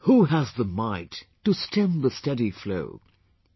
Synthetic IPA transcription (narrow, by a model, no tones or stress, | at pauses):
huəzðəmaɪtː | ɨstʰɪ̃mðəstɛɾiflo̰ʊ